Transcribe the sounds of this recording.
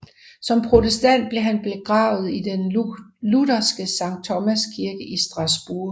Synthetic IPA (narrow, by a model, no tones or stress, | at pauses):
sɒ̽mpʰʁo̝t͡sʰesd̥æn̰d̥̚b̥le̝ɦænb̥e̝ɡ̥ʁɑ̈ːʊð̞̩ˠid̥enludɐsɡ̥əsɑ̈ŋ̰̥̚t͡sʰɒ̽mæskʰiɐɡ̥əʔisd̥ʁɑ̈sb̥uɐ̰